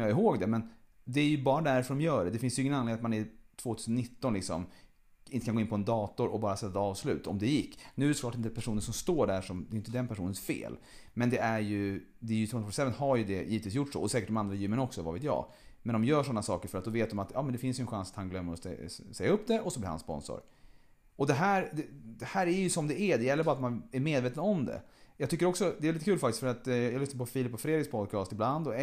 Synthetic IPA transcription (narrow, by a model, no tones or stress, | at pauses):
jɑɪɦoːɡd̪ɛmɛn | d̪ɛæɾjɵbɑːɾad̪æɾfœɖɔmjœːɖɛd̪ɛfɪnsjʏɪŋːənanlɪeːat̪manæɾʈʰv̥oːt̪ʰʉ̟sənːɪt̪ːɔnlɪksɔm | ɪnt̪əkanɡoɪnpɔɛnd̪ɑːt̪ɔɾɔ̰bɑːɾasɛt̪ːat̪ɑːvslʉ̟ːt̪ɔ̰md̪ɛjɪkːnʉ̟ːɾklɑːʈɪnt̪əpʰæʂuːnənsɔmst̪oːɖæɾʂɔmd̪ɛjʏɪnt̪əd̪ɛnpʰæʂuːnənsfḛːl | mɛnd̪ɛʔæɾjɵ | d̪ɛɾjɵt̪ɾoːnfɔsɛvənhaɾjɵd̪ɛjiːət̪viːsjʊʈːʂɔ̰ɔsɛːkəʈ̚ɖɔmand̪ɾajʉ̟ːmənɔksɔva̰vḛːt̪jɑ̰ː | mɛnd̪ɔmjœːʂɔnːasɑ̰ːkəɾfœɾat̪d̪ɔveːt̪̚d̪ɔmat̪jɑːmɛnd̪ɛfɪnsjɵənɧansat̪hanɡlœmːəɾɔ̰sɛjːaɵpːd̪ɛʔɔsɔbliːɾha̰nspɔ̰nsɔ̰ɾ | ɔd̪ɛɦæːɾd̪ɛd̪ɛhæːɾæɾjɵsɔmd̪ɛʔæd̪ɛjɛlːəbɑːɾat̪manæɾmeːd̪veːt̪ənɔmd̪ɛ̰jɑɡt̪ʏkːəɾɔksɔd̪ɛɛvliːt̪əkʉːlfak̚t̪ɪt̪fœɾat̪jɑɡlʏsnapʰɔfiːlɪpːɔfɾeːd̪ɾɪɡspʰɔd̪̚kʰɑːst̪ɪbland̪ɔ